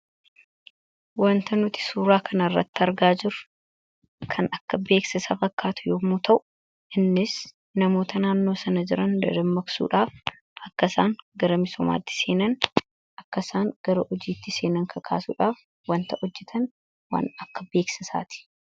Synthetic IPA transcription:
wɐnt̪ɐnʊt̪ɪ̥suːɾaːkʰɐnɐɪrːɐ̰t̪ːɪɐɾɡaːd͡ʒɪɾʊ | kʰɐnɐkːɐbe̞ːksɪsafɐkːaːt̪ʊ̥joːmʊt̪ʰɐʔʊ̥ | ʔɪnːɪs | nɐmo̞ːt̪ʰɐnaːnːo̞ːsɐnɐd͡ʒɪɾɐnd̪ɐ̰d̪ɐmːɐksṵːᶑaːf | ɐkːɐsaːŋɡɐɾɐmɪsɔma̰ːt̪ːɪ̥se̞ːnɐn | ʔɐkːɐsaːŋɡ̥ɐɾɐʔɔd͡ʒiːt̪ːɪse̞ːnɐŋkʰɐkʰa̰ːsṵːᶑaːf | wɐnt̪ɐʔɔd͡ʒːɛt̪ʰɐn | wa̰ːnɐkːɐbe̞ːksɪsa̰ːt̪ɪ̥

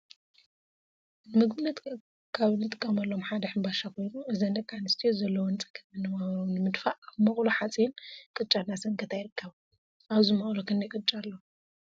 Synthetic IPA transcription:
nɨmɨɡmɨnːɐt̪ | kʰaβɨnɨt̪ʰʼɨ̥kʼːɐmɐlːomħad̪ɐħɨmbaʃakʰo̞jnuɨzand̪ɐkʰʼːanɨst̪ʰijozɐlːɐwɔnt͡sʼɐ̥kʰɐmɨnːɐβaβɐɾɐwnɨmɨd̪faʔaβmɐχʼluħat͡sʼinkʼɨt͡ʃʼanːasɐŋkʰɐt̪ʰajɪɾɨkʰːɐβ | ʔaβzumɐχʼlokʰɨnːɐjkʼɨt͡ʃʼalːo

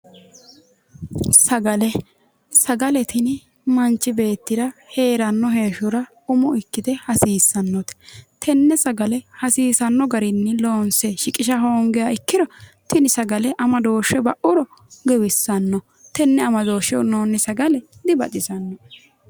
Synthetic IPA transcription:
sɐɡɐlɛ | sɐɡɐlɛt̪ɪnɪ | mɐnt͡ʃːɪbe̞ːt̪ːɪd̪ɐhe̞ːɾɐnːɔheːʃʊɾɐ | ʊmʊɪkːɪd̪ɛhɐsiːsːɐnːɔt̪ɛ̥t̪ʰɛnːɛsɐɡɐlɛhɐsiːsɐnːɔɡɐɾɪnːɛlo̞ːnsɛʃɪkʼɪʃɐɦoːŋɡɛjɐɪkːɪɾɔt̪ɪnɪsɐɡɐlɛʔɐmɐd̪o̞ːʃɛbɐʔʊɾɔ | ɡɛwɪsːɐnːɔ | t̪ɛnːɛɐmɐd̪o̞ːʃɛnoːnːɪsɐɡɐlɛd̪ɪbɐt͡ʃʼɪsɐnːɔ

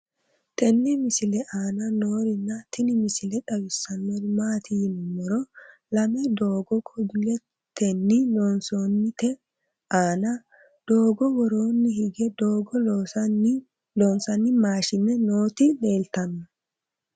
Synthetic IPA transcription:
t̪ɛnːɪmɪsɪlɛʔaːnɐnoːɾɪnːɐt̪ʰɪnɪmɪsɪlɛᶑɐwɪsːɐnːɔdʊmaːt̪ʰinʊmɔɾɔlɐmɛd̪oːɡɔkʼɔbɪlɛ | t̪ɛnːɪlonsoːnːɪt̪ɛ | ʔaːnɐ | d̪̥oːɡɔwɔɾo̞ːnːɪhɪɡɛd̪oːɡɔlos | loːnsɐnːɪmaːʃɪnːɛnoːt̪ɪne̞ːlt̪ɐnːɐ

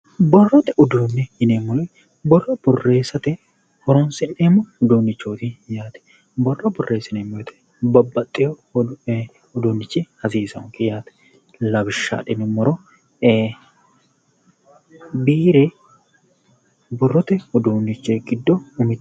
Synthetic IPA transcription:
bɔrːɔt̪ɛʔʊd̪uːnːɛɪnemːʊlɛ | bɔrːɐb̥ɔrːe̞ːsɐt̪ɛ | hɔɾɔnsɪneːmɔʊd̪uːnːɪt͡ʃːoːt̪ɪjaːt̪ɛ̥ | bɔrːɐbʊrːeːsɪneːmːɔjɛt̪ɛ̥ | bɐbːɐt̪ʼːɪjo | ʊd̪uːnːɪt͡ʃːɪhɐsiːsɐʊŋkɪjaːt̪ɛ̥ | lɐbɪʃːa̰ːᶑɪnɛmɔɾɔ | biːɾe | bɔrːɔt̪ɛʊd̪uːnːɪt͡ʃːɛɡɪd̪ːɔʊmɪt̪ː

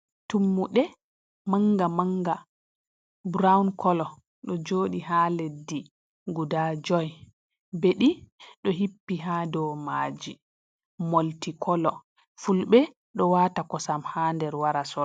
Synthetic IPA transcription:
tumːuɗɛ | maŋɡamaŋɡa | bɾawnkʰɔlɔ | ɗɔd͡ʒoːɗiɦaːledːi | ɡudad͡ʒɔj | beɗiɗɔɦipːiɦaːdɔmaːd͡ʒi | moltikɔlɔ | fulbɛ | ɗɔwaːtakɔsamhandɛɾwaɾasɔ

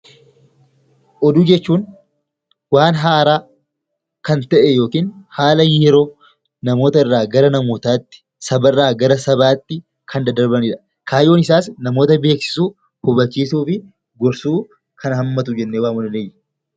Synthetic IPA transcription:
ʔɔd̪uːd͡ʒɛt͡ʃːuːn | waːnɦaːɾaː | kɐnt̪ɐʔɛjo̞ːkiːnhaːlɐjɛɾo̞ː | nɐmo̞ːt̪ɐɪrːaːɡɐɾɐnɐmoːt̪aːt̪ːɪ̥ | sɐbɐrːaːɡɐɾɐsɐbaːt̪ːɪ | kʰɐnd̪ɐd̪ɐɾbɐnɪᶑɐ̥ | kʰaːjo̞ːnɪsaːsnɐmo̞ːt̪ɐbe̞ːksɪ̥suː | hʊbɐt͡ʃːiːsuːfɪ | ɡɔɾsuː | kʰɐnɦɐmːɐt̪̬ʊd͡ʒɛnːeːwaːmʊdɐnej

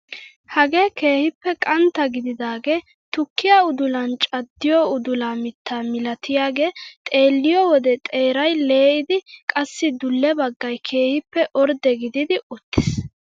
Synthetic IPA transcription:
hɐɡe̞ːke̞ːhɪpːɛkʼɐnt̪ːɐɡɪd̪ɪd̪aːɡeː | t̪ʊkːɪjaʊd̪ʊlɐnt͡ʃʼɐd̪ːɪjɔʊd̪ʊlaːmɪt̪ːaːmɪlɐt̪ʰɪjaːɡe̞ːt̪ʼe̞ːlːɪjɔwɔd̪ɛt̪ʼe̞ːɾɐjle̞ːʔɪd̪ɪkʼɐsːɪd̪ʊlːɛbɐɡːɐjkʰe̞ːhɪpːɛʔɔɾd̪ɛɡɪd̪ɪd̪ɪʊt̪ːɪ̥s

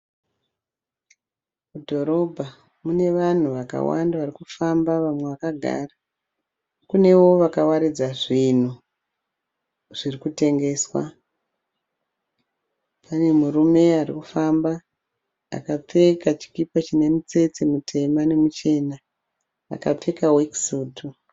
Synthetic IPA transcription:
mudʱo̞ɾo̞bʱa | mune̞ʋan̤uʋaka̰wa̰ndaʋarikufambaʋamwe̞ʋakaɡʱa̰ːra | kune̞wo̞ʋakawaɾid͡zaʐin̤u | ʐ̥irikute̞ŋɡe̞ːswa̰ | pʰane̞muɾume̞arḭkufamba | a̰kap͡fe̞kat͡ʃi̥kipat͡ʃine̞mit͡se̞t͡semutʰe̞mane̞mut͡ʃe̞na | a̰kap͡fe̞kawiksuːtu

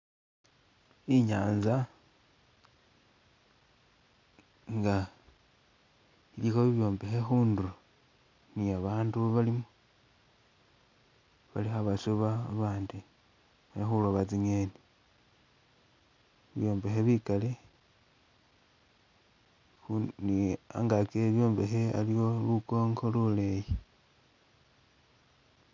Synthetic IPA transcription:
iɲaːnza | ŋɡa | ilixoβiβjo̞ːmbe̞xexuːndu | niaβaːnduβalimu | βalixaβasuβaβaːndi | anixuloβat͡siɲeni | βiβjo̞ːmbe̞xeβikale | nia̰ŋɡakeβjo̞ːmbe̞xea̰liwolukoːŋɡoluleji

